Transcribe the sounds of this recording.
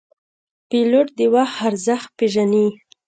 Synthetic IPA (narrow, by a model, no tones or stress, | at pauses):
peloʈ̚d̪əwaxaɾzaxt̪̚peʒani